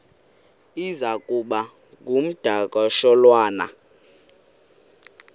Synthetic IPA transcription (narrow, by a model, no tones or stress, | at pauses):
izakʼuɓa | kum̩d̥ʱakʼɔʃɔlwaːna̰